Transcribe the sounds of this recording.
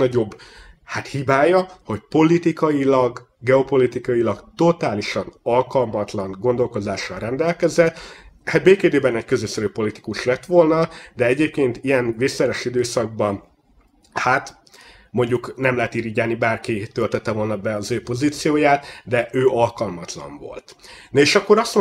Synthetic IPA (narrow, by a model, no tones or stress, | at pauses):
nɒɟo̞bːhat̪hibaːjɒho̞cpo̞lit̪ikɒjilɒɡ | ɡɛo̞po̞lit̪ikɒjilɒɡt̪o̞t̪aːliʃɒnɒlkɒlmɒt̪lɒŋɡo̞nd̪o̞lko̞zaːʃːɒlrɛnd̪ɛlkɛzɛt̪ːhat̪̚beːkeːd̪eːbɛnɛckøzøsɛɾyːpo̞lit̪i̥kuʃlɛt̪ʋo̞lnɒd̪ɛɛɟeːp̚keːnt̪ijɛnveːsɛɾɛʃid̪øːsɒɡ̚bɒn | hat̪ | mo̞ɲɟuknɛmlɛɦɛt̪iːɾiɟaːnibaːrkit̪ølt̪ɛt̪ːɛvo̞lnɒbɛɒzøːpo̞ziːt̪sijoːjaːt̪d̪ɛʔøːʔɒlkɒlmɒt̪lɒ̰ɱvo̞̰lt̪nɒeːʃɒkːo̞ɾɒst̪m